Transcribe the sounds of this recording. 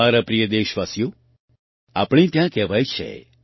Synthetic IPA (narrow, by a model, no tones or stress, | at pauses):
aɾapɾijəd̪eʃʋasjo | a̰pɽ̃ĩt̪jãkɛʋajt͡ʃʰḛ